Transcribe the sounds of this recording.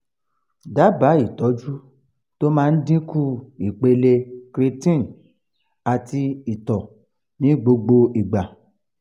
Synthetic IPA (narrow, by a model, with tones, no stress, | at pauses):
da˨˦ba˨˦i˦˨tɔ˨˦d͡ʒu˦ | to˦mãː˦˧n̩˦dĩ˦ku˦i˨k͡pe˧le˧kɾi˧tĩ˦˨n̩˨ | a˨ti˧i˨tɔ˨ | nĩ˨˦ɡ͡bo˧ɡ͡bo˧i˨ɡ͡ba˨